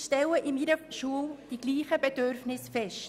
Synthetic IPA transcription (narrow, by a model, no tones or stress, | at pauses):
ʃtɛləʔɪmiɾəʃuəwd̥iɡ̥liːχəbɛd̥øɾfnɪsfɛʃt